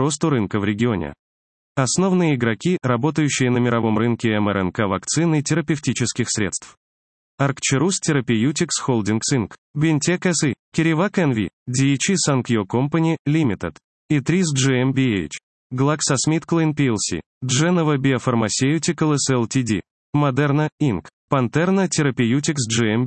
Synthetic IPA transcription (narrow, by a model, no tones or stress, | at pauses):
ɾo̞st̪ʊɾɨnkəvɾʲɪɡʲɪonʲɪ̰ | ɐsno̞vnɨjəɪɡɾɐkʲirɐbo̞t̪əjʉɕːɪjənəmʲɪɾɐvo̞mrɨnkʲɪɛmɛɾɛ̰nkavɐkt̪sɨnɨtʲɪɾəpʲɪftʲit͡ɕɪskʲɪxsʲɾʲe̞̰t̪st̪f | ɐrkt͡ɕɪɾustʲɪɾəpʲɪjutʲɪksxolˠdʲinksinkbʲɪnʲtʲekɛsɨkʲɪɾʲɪvakɛnvʲḭdʲit͡ɕisankjokompənʲɪlʲimʲɪt̪ɨt̪ | it̪ɾʲisʐɨɛmbʲiḛt͡ʃ | ɡlˠaksɐsmʲit̪klˠənpʲiɛlˠsʲḭ | dʐɛnəvəbʲɪɐfərmɐsʲejʊtʲɪkəlˠɛsɛlˠtʲidʲḭ | mɐd̪ɛrnəinkpɐnt̪ɛrnətʲɪɾəpʲɪjutʲɪksʐɨɛm